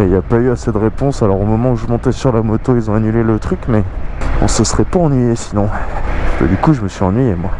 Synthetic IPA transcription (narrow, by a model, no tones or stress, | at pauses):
iljapayased̪əʁepɔ̃salɔʁomɔmɑ̃uʒəmɔ̃t̪ɛsyʁlamɔt̪oilzɔ̃anylelət̪χykmɛɔ̰̃səsəʁɛpaɑ̃nɥijesinɔ̃bə̰d̪ykuʒəməsɥiɑ̃nɥijemwa